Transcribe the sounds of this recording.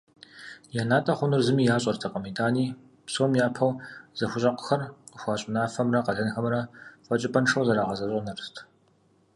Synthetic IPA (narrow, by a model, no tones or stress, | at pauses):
janaːtʼɐχʷʊnɨrzɨmiːjaːɕʼɐrtʰɐqʼɐmidaːniː | psowmjaːpʰɐwz̥ɐxʷʊɕʼɐqʷʊ̥xɐrxʷɑːɕʼɪnaːfɐmrɐqɐɮɐnxɐmrɐfɐt͡ʃʼɪpʼɐnʂɐwzɐɾaːʁɐzɐɕʼɐnɐrstʰ